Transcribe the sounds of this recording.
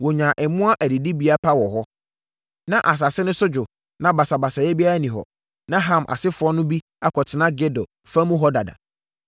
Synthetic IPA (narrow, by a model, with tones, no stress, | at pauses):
wɔ˨ɲã˨ʔɛ˨mʊ̃˦a˦ʔæ˨di˨di˦bi˦a˦pʰa˦wɔ˨ɦɔ˦ | nã˦ʔa˨s̬a˨sɪ˦nʊ̃˦sʊ˦d͡ʑᶣʊ˨ | nã˦ba˨sa˨ba˨sa˨jɛ˦bi˦a˦ɾa˦˨nĩ˨ɦɔ̰˨ | nã˦ɦã˦˨mʔa̰˨sɪ˦fʊ˨˦ɔ˦nʊ̃˦bi˦ | a˦kʰɔ˨tʰɪ˨nã˦ɡe˦dɔ˨ | fã˦mʊ̃˦ɦɔ˦da˨da̰˨